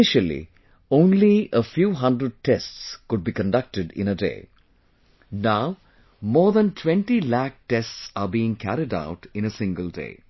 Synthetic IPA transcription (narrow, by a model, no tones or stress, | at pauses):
ɪʃəlḭ | õːnliəfjuːɦʌ̃ndɾəɖ̚ʈesʈskʊɖ̚bikə̃ɳɖʌk̚ʈɪɖɪ̰̃nəɖḛː | naʊ | mɔːɾd̪ə̃nʈʰwẽɳʈilæk̚ʈesʈsaːɾbiːɪ̃ŋkʰæɾiɖa̰ʊʈɪ̃nəsɪ̃ŋɡəldḛː